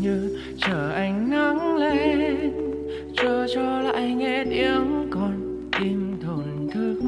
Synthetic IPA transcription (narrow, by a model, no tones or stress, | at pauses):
ɲɨ | t͡ɕəːʔajŋ̟nəŋlen | t͡ɕɔt͡ɕɔla̰ːjŋɛnʔiəwkɔn | t̪imt̪ʰont̪ʰɨək̚